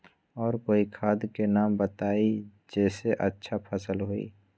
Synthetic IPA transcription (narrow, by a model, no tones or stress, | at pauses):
ɔːɾkoːikʰaːd̪kenaːmbət̪aːid͡ʒɛːseʔətːʃʰapʰəsəlɦoːḭː